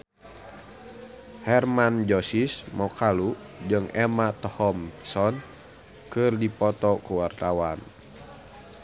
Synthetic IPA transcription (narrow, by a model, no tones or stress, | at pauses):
hɛrmand͡ʒɔsismɔkalu | d͡ʒɨŋɛmat̪ɔhɔmsɔn | kɨrdipɔt̪ɔkuwart̪awan